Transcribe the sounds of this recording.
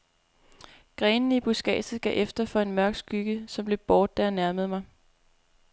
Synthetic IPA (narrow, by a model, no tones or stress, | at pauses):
ɡ̥ʁɛːnn̩ib̥usɡ̥ɛ̰ːd̥ð̩ˠɡ̥ɛ̰ʔefd̥ɐfɒ̽e̝nmɶɐ̰ɡ̥sɡ̥yɡ̥əsɒ̽mb̥le̝b̥ɒːd̥ːæjænæɐməð̞̩ˠmɑ̈ɪ